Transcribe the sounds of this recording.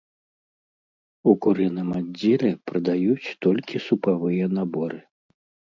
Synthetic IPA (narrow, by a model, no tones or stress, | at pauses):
ukuɾɨnɨmad͡zʲːɛlʲɛpɾɐd̪ajut͡sʲt̪ɔlʲkʲisupavɨjɛnabɔɾɨ